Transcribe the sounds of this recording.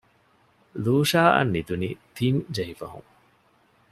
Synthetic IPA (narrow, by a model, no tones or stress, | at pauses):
luːʂaːʔɐ̰nːid̪unit̪ʰind͡ʒɐɦifɐ̰ɦṵŋ